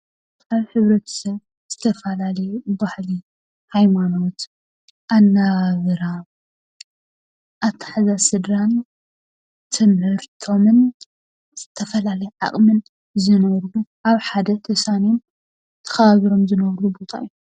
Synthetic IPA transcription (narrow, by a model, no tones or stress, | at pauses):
aβħɨβɾɐt̪ʰɐ̥sɐβ | z̥ɨt̪ʰɐfɐlalɐjubahli | hajmano̞t̪ | ʔanːaβɨɾa | ʔaβt̪ʰḁħazasɨd̪ɾan | t̪ʰɨmhɨɾt̪ʰo̞mɨn | z̥ɨt̪ʰɐfɐlalɐjʕa̰χʼmɨn | zɨnɐβɾɡuʔaβħad̪ɐt̪ʰɐsanom | t̪ʰɐ̥xɐβaβiɾo̞mzɨnɐβɾubot̪ʰa̰jːu